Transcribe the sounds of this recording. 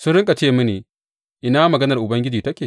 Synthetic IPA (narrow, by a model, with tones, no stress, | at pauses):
sʊ˦nɽɪ˦ŋkʼa˨t͡ʃeː˦˨mu˦neː˨ | ʔɪ˦naː˦mɐ˨ɡɐ˦nɐ˨rʔʊ˨bɐ˦ŋɡʲɪ˦d͡ʒiː˨tɐ˦kʲeː˨